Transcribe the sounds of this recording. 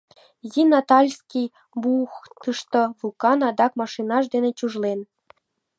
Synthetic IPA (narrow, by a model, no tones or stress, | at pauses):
zinɑt̪ɑlʲskʲij | buxt̪ɯʃt̪ŏvulkɑnɑd̪ɑkmɑʃinɑʃ̬d̪enet͡ɕuʒlen